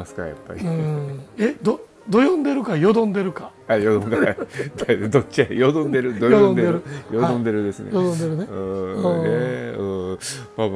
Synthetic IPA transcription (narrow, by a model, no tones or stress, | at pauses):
asɨ̥kaja̰pːa̰ɾʲi | ed̪o | d̪o̞jõnd̪e̞ɾɯ̟kajo̞d̪õ̞nd̪e̞ɾɯ̟ka | ajod̪õkad̪ad̪ot͡ɕiajod̪õnd̪e̞ɾɯ̟d̪ojoõnd̪eeɾɯjod̪õnd̪e̞ɾɯ̟d̪e̞sɨnejod̪õnd̪eɾɯneɯ̃eɯ̃ːbab